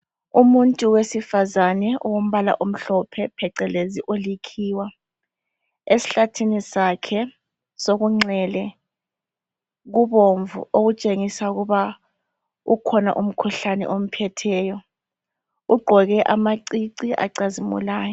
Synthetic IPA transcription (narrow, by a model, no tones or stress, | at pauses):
umuntʼuwesifazanɛɔwom̩βala̰ʔum̩ɬɔpʰɛpʰɛǀɛleziʔolikʰiːwa | esi̥ɬatʰinisakʰɛ | soɣuŋ͡ǀɛlɛ | ɣuβoɱvṵoɣut͡ʃʼeŋisauɣuβa | ukʰɔna̰ʔum̩kʰuɬanɛ̰ʔom̩pʰɛtʰɛːjɔ | uɡ͡ǃʱɔɣɛʔamaǀiǀiʔa̰ǀazimṵlaːjɔ